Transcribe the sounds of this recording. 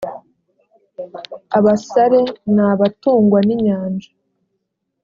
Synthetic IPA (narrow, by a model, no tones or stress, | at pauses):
aβasaɾe̞naːβatuːŋɡwaniɲaːnd͡ʒḁ